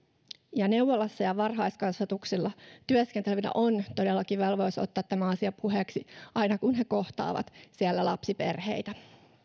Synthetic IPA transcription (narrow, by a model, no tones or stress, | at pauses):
jɑne̞wʋːolːɑsːɑjɑʋɑrɦɑjskɑnsɑt̪uksilːɑt̪yøskent̪elʋinæ̰ʔo̞nt̪o̞delːɑkiʋelʋo̞iso̰t̪ːɑːt̪t̪ːæmæɑsiɑpʰuɦeksiɑjnɑkunɦe̞ko̞ht̪ɑ̰ːʋɑ̰t̪siælːælɑpsipḛrhe̞̰jt̪æ